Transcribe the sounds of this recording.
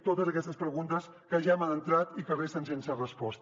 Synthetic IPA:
t̪ot̪əzəkɛst̪əspɾəɣunt̪əs | kəʒamanənt̪ɾat̪ikəresənsensərəspɔst̪

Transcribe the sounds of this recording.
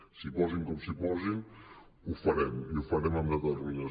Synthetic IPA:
sipɔziŋkɔmsipɔziŋ | ufaɾɛmjufaɾɛmamaðaɾuɲa

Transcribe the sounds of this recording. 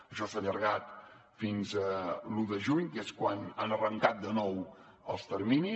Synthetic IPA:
əʃɔsaʎəɾɣat̪ | finzəluðəʒuɲkeskwananərəŋkat̪̚d̪ənɔw | əlˠst̪əɾmini

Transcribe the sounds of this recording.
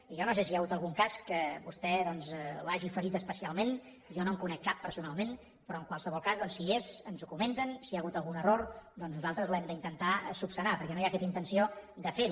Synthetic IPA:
iʒɔnosesiaɣut̪əlˠɣuŋkaskəβust̪ɛðɔnzlaʒifəɾit̪əspəsialˠmẽn | jɔnomkunɛkːapːəɾsunalˠmẽn | pɾɔəŋkwalˠsəβɔlˠkazðɔnsiezənzukument̪ənsiaɣut̪əlˠɣunəroɾd̪ɔnznuzalˠt̪ɾəzlɛmd̪əint̪ənt̪asupsənapəɾkɛnojakɛt̪int̪ənsiod̪əfeɾu

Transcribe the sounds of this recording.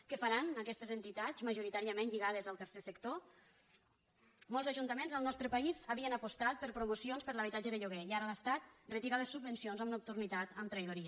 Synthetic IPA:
kəfaɾanəkɛst̪əzənt̪it̪azməʒuɾit̪aɾiəmenʎiɣað̞əzəlˠt̪əɾsesəkt̪o | mɔlzaʒunt̪əmẽnzəlˠnɔst̪ɾəpaizəβiənapust̪at̪̚pəɾpɾumusionspəɾləβ̞it̪ad͡ʒəðəʎuɣɛiaɾələst̪at̪̚rət̪iɣaləsːubːənsionzəmnup̚t̪urnit̪at̪əmt̪ɾəjðuɾiə

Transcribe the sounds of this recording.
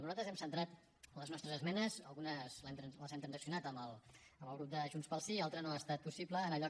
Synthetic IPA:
nuzat̪ɾəzɛmsənt̪ɾat̪ | ləznɔst̪ɾəzəzmɛnəzəlˠɣunəzlɛmt̪ɾənləzɛmt̪ɾənzəksiunat̪əməlˠəməlˠɣɾup̚d̪əʒunspəlˠsialˠt̪ɾənoast̪at̪̚pusipləːnəʎɔ

